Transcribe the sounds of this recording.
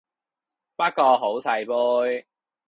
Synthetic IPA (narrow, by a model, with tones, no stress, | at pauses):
pɐ˥kːɔː˧ɦo˨˥wsɐ˧jpuː˥j